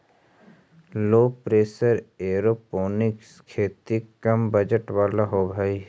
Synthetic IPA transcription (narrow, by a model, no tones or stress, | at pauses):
loːpɾeːsəɾeːɾoːpoːnɪkskʰeːt̪ikːɐmbɐd͡ʒəʈʋaːlaɦoːbʱai